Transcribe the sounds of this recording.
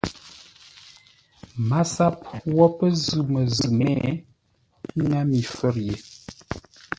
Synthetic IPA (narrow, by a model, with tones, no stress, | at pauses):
ma˦sa˦pwɔ˦pə˦zʉ˨mə˨zə˨mɛ̰˦˨˦ | ŋa˦mi˨fə˦˨ɾje˨